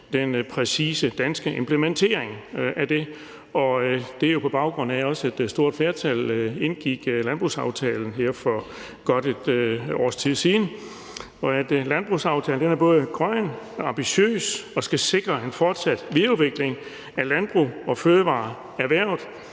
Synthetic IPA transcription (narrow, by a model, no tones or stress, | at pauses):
d̥enpʰʁɛsiːsəd̥ænsɡ̥əʔe̝mpʰləment͡sʰe̝̰ɐeŋʔæd̥e̝ | ɒ̽d̥e̝æɐjo̝pʰɒ̽b̥ɑ̈ʊɡ̥ʁɔ̽n̰̩æɒ̽sæd̥sd̥o̝ɐ̰d̥fle̝ɐt͡sʰæle̝nɡ̥iɡ̥lænb̥ʁṵsɑ̈ʊt͡sʰɛ̰ːln̩ɦeɐ̰fɒ | ɡ̥ɒ̽d̥ed̥ɒ̰ːst͡sʰið̰ˠsiːnə | ɒ̽æd̥lænb̥ʁusɑ̈ʊt͡sʰɛ̰ːln̩d̥enæɐb̥ɔ̽ːðˠəɡ̥ʁɶn | ɑ̈mb̥iɕø̰ːsɒ̽sɡ̥æse̝ɡ̥ʁɐe̝nfɒːd̥sæd̥ʋiðˠuðˠʋe̝ɡ̥le̝ŋ | ælænb̥ʁṵːɒ̽føːðəʋɑ̰̈ː | æʋæɐ̰ʊð̩ˠ